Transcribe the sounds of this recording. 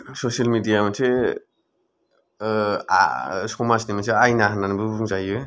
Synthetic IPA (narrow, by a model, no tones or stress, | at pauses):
sosialmidijamasʰe | a̰sɔmasnimasʰeajnaɦananbɯbuŋzajɯ